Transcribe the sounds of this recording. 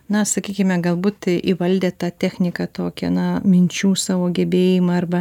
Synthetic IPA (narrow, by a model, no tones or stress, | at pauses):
nɐsɐkʲiːkʲɪmʲɛɡɐlˠbuːt̪ʔiʋɐlʲd̪ʲeːt̪ɑːt̪ʲæːxʲnʲɪkɐt̪oːkʲɛnɐmʲɪnʲt͡ʃʲuːsɑːʋoːɡʲɛbʲeːjɪmɐɐrbɐ